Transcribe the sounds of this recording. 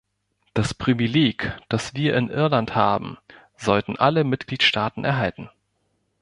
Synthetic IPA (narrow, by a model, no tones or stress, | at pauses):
d̥aspʁ̥ivileːkd̥asv̥iːɐʔɪnʔɪɐlanthaːbm̩ | zɔltn̩ʔaləmɪt̚ɡ̥liːtʃtaːtn̩ʔɛ̰ɐɦaltn̩